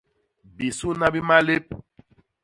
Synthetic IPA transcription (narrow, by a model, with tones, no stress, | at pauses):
bi˨su˦na˦bi˦ma˦le˦p̚